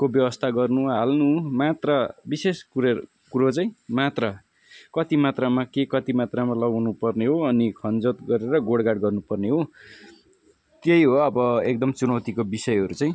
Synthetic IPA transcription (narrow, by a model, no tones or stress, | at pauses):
kobjʌwʌst̪ʰaɡʌrnuɦalnumat̪rʌbisesu | kuɾot͡sʌĩmat̪rʌ | kʌt̪imat̪ramakekʌt̪imat̪ramalʌɡawnupʌrneɦoʌnikʰʌnd͡zot̪ɡʌɾeɾʌɡoɽɡaɽɡʌrnupʌrneɦo | t̪jejɦoʌbʌek̚d̪ʌmt͡sunʌwt̪ikobisʌjɦʌɾut͡sʌĩ